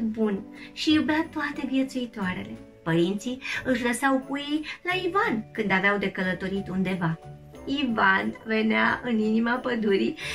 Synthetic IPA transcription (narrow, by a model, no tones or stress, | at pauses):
bunʃijubat̪oat̪e̞vje̞t̪suit̪oaɾe̞̰le̞ | pəɾint̪siɨʃləsawkujejlaivankɨnd̪aveawd̪e̞kələt̪o̞ɾit̪und̪e̞va | ivanve̞neaʔɨninimapəd̪uɾi